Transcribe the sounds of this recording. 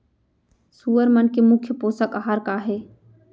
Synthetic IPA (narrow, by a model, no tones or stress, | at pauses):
suːəɾmənkemʊkʰjəpoːsəkaɦaːɾkaɦeː